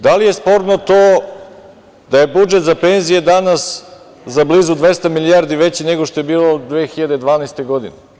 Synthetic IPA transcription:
d̪alije̞spo̞ɾnot̪oː | d̪aje̞bud͡ʒet̪zapenzijed̪anas | zabliːzud̪ʋest̪amilijaɾd̪iʋet͡ɕineɡoʃt̪ojebiːlod̪ʋeːxiʎad̪ed̪ʋaːnaest̪eɡod̪ine

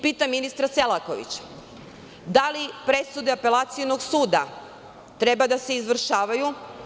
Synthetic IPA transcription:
piːt̪aminist̪ɾaselako̞̰ʋḭt͡ɕḁ | d̪alipɾe̞sud̪eape̞lˠat̪siono̞ɡsuːd̪a̰ | t̪ɾe̞bad̪ase̞izʋr̩ʃaːʋaju

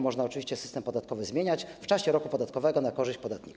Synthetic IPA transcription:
mɔʐnaɔt͡ʂɨvʲiɕt͡ɕɛsɘ̥st̪ɛmpɔd̪at̪̚kɔvɘzmʲjeɲat͡ɕft͡ʂaɕɛɾɔkupɔd̪at̪kɔvɛɡɔnakɔʐɘɕt͡ɕpɔd̪at̪ɲḭk

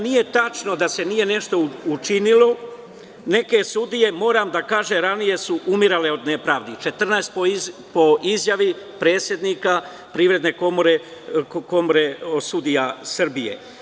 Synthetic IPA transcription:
nije̞t̪at͡ʃno̞d̪ase̞nije̞ne̞ʃt̪o̞ut͡ʃinilo̞ | ne̞ke̞sud̪ije̞mo̞ːɾamd̪akaːʒeɾanije̞suʔumiɾale̞o̞d̪ne̞pɾaːʋd̪it͡ʃe̞t̪r̩naest̪popo̞ʔizjaʋi | pɾe̞ːt̪sje̞d̪niːka | pɾiːʋɾe̞d̪ne̞komoɾeko̞moɾeosud̪ijasr̩bije̞̰

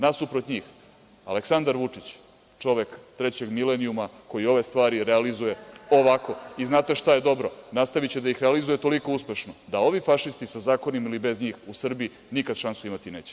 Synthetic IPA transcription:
nasupɾot̪ɲiːx | a̰leksand̪aɾʋut͡ʂit͡ɕ | t͡ʂo̞ʋe̞kt̪ɾe̞t͡ɕe̞ɡmileniumako̞jio̞ʋe̞st̪ʋaːɾiɾealizuje̞o̞ʋako̞iznaːt̪e̞ʃt̪aje̞d̪o̞bɾo̞nast̪aʋit͡ɕed̪aixɾealizujet̪o̞liko̞uspeʃnod̪ao̞ʋifaʃist̪isazaːko̞nimilibe̞zɲiːxusr̩bii | nikad̪ʃansuimat̪ine̞ːt͡ɕe

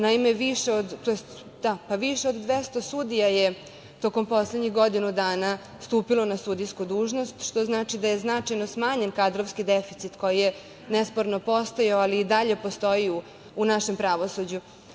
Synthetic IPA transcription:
naime̞ʋiʃeod̪t̪ojest̪ | d̪̥apaʋiʃeo̞d̪d̪ʋest̪osud̪ijaje | t̪o̞ko̞mpo̞sled̪ɲixɡo̞d̪inud̪aːna | st̪uːpilo̞nasud̪ijskud̪uːʒnost̪ʃt̪o̞znaːt͡ʃid̪ajeznat͡ʂajno̞smaːɲe̞nkad̪ɾoʋskid̪efit̪sit̪ko̞jije | nespoɾnopo̞st̪ojaoaliːd̪aʎe̞post̪o̞iu | unaʃe̞mpɾaʋo̞sud͡ʑu

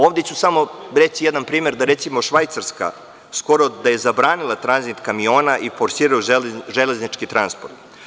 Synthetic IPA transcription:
oːvd̪e̞t͡ɕusamoɾet͡ɕijed̪anpɾiːme̞ɾd̪aɾet̪simoʃʋajt̪saɾska̰ | sko̞ɾod̪aje̞zabɾaːnilˠat̪ɾanzit̪kamio̞ːnaʔifoɾsiːɾaoelʒeleznit͡ʃkit̪ɾanspoɾt̪

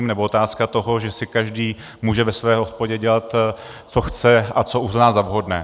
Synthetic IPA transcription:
imnɛboot̪aːskat̪o̞ɦo̞ʒɛsɪkaʒdiː | muːʒɛvɛsvɛːɦo̞spoɟɛɟɛlat̪ | t͡soxt͡sɛʔat͡so̞ʔuznaːzavɦo̞dnɛː

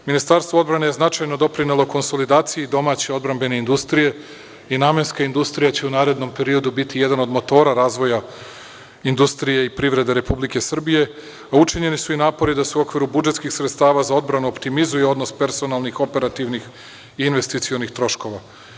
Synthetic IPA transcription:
minist̪aɾst̪ʋoo̞d̪bɾane̞jeznat͡ʃajno̞d̪o̞pɾinelˠo̞ko̞nso̞lid̪aːt̪sijid̪o̞maːt͡ɕeo̞d̪bɾambe̞ne̞ind̪ust̪ɾije̞ | inaːme̞nskaind̪ust̪ɾijat͡ɕe̞unaːɾe̞d̪no̞mpe̞ɾio̞d̪ubit̪ijed̪ano̞d̪mo̞t̪o̞ːɾaɾaːzʋo̞ja | ind̪ust̪ɾije̞ipɾiʋɾe̞d̪eɾe̞publike̞sr̩bije̞ | aut͡ʃiɲe̞nisuinaːpo̞ɾid̪aseuo̞kʋiɾubud͡ʒet̪skixsɾet̪st̪aːʋazao̞d̪bɾanuo̞pt̪imizujeo̞d̪no̞spe̞ɾso̞nalˠnixo̞pe̞ɾat̪iʋnix | iːnʋe̞st̪it̪sio̞nixt̪ɾo̞ʃko̞ʋa

